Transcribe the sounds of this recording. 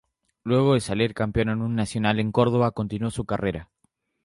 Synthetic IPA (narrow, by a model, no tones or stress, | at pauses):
lwe̞ɣo̞ðe̞saliɾkampjo̞nonũnːasjo̞nale̞ŋko̞ɾðo̞β̞ako̞nt̪inuosukareɾa